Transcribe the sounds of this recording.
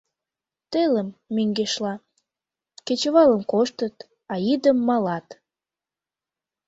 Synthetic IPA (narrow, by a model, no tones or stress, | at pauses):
t̪eləmːyŋɡeʃlɑ | ket͡ɕəβɑləmkoʃt̪ət̪ | ɑid̪əmːɑlɑt̪